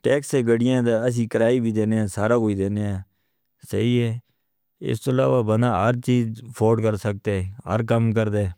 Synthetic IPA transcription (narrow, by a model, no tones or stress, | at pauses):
ʈɛːkseːɡəɽɪjãːd̪aːəs̬ĩːkəɾaːiːbʱiːd̪eːneːãːsaːɾaːkoːiːd̪eːneːaː | səiːɦɛː | ɪ̰st̪oːəlaːʋaːbənaːɦəɾt͡ʃiːd͡ʒpʰoːɖkəɾsək̚t̪eːɦə̰ɾkəmk̬əɾd̪e